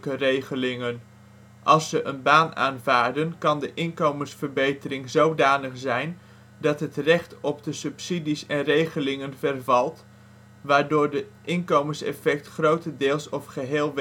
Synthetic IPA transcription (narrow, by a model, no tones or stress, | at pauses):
kərejχəlɪŋən | ʔɑlˠsːəʔənbaːna̰ːnvaːɹdənkɑndəʔɪnkowmənsfəɹbejtəɾɪŋzowdaːnəχzɛjn | dɑtɦətrɛχtɔp̚dəsɵpsidisɛnrejχəlɪŋənvərvɑlˠt | ʋaːɹdʊːɹdəʔɪnkowmənsɛ̰fɛk̚tχrowtədɪːlˠsɔfχəɦeːlˠʋ